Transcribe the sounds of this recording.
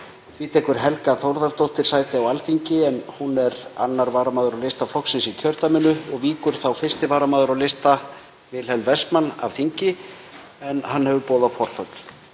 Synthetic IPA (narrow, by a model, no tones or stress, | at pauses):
vɪt̪ʰɛːkʏɾ̥ɦɛlkaθowɾðaɾst̪owht̪ɪɾ̥saːjt̪ɪawalθiɲcɪɛnhunɛɾa̰nːaɾvaːɾamaːðʏɾawlest̪aflɔksɪnsicʰœɾ̥t̪amɪnːʏɔɣviːkʏɾ̥θawfɪrst̪ɪvaːɾamaːðʏɾawlejst̪a | vɪðlhɛlvɛsmanːa̰v̥θiɲcɪ | ɛnhanːhɛvʏpoːðafɔɾ̥θœt̪l̥